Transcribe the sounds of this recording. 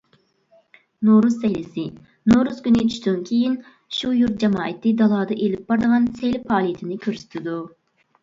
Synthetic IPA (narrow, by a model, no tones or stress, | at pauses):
noɾuzːɛjlɪsɪ | noɾuzkʲynɪt͡ʃʰy̥ʃt̪ynkʲʰejin | ʃujuɾt̪̚d͡ʒɛmɑːɛt̪ʰːɪd̪ɑlˠɑːd̪ɑʔelɪp̚bɑɾd̪əʁɑnsejlɪpʰɑːlˠijet̪ʰɪnɪkʲʰøɾsy̥t̪ʰɪd̪u